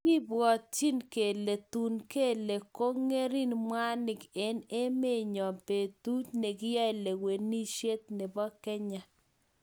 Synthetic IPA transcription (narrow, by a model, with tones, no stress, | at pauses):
i˦bwɔ˨t̚t͡ʃi˦nke˨le˨t̪u˨nke˦˨le˨ko˦ŋe˦ɾi˦nmwa˦nɪ˨ke˨˦ne˦me˦˨ɲɔ˨pe˨t̪u˦tne˨kɪ˦ja˦jle˨we˨ni˦ʃe˦t̪̚nɪ˨bɔ˦kɛ˦ɲa˨